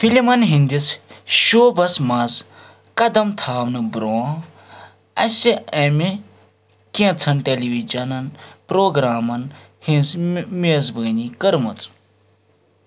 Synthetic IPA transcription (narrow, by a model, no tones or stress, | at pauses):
filimɐnɦĩnd̪it͡sʃoːbɐsmaz | kɐd̪ɐmt̪ʰaːʋnɨbɾoː | ɐ̰siɐmi | kĩt͡sʰɐnʈeliʋid͡ʒɐnɐnpɾoːɡɾaːmɐn | hĩnsmezbəːnikɐɾmɐt͡s